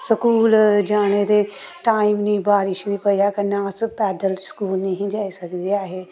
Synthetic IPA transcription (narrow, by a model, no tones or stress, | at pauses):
səkuːld͡ʒaːñed̪eːʈaːimnĩːbaːɾɪʃnĩpəjaːkənaːspɛːd̪əlskuːlniɦĩːd͡ʒaːisəkd̪eaːɦeː